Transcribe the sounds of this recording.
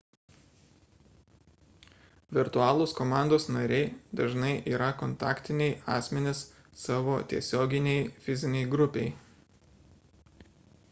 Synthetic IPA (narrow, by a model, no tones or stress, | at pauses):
ʋʲɪɾt̪ʊɑːlˠoːskomɑˑnd̪oːsnɐɾʲɛɪd̪ɐʒnɐɪʔiːɾɐkɔnt̪ɑːkt̪ʲɪnʲɛɪɑ̰ːsʲmʲɛnʲɪs | sɑːʋoːt̪ʲiɛsʲoːɡʲɪnʲɛɪfʲɪzʲɪnʲɛɪɡɾʊpʲɛɪ